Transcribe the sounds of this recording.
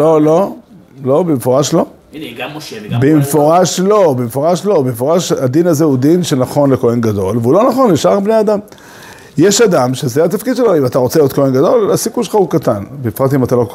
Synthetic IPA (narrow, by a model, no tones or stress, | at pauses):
lolo̞lo̞bemefoʁaʃlo̞ | bemefoʁaʃlo̞bemefoʁaʃlo̞bemefoʁaʃad̪inazeud̪inʃenaχo̞nlekoenɡado̞lveulo̞naχo̞nliʃaʁbnejad̪am | jeʃad̪amʃezeat̪afkid̪ʃe̞loimat̪aʁo̞t͡selijot̪ko̞enɡad̪o̞lasikuʃelχaukat̪anbeifʁat̪imat̪alok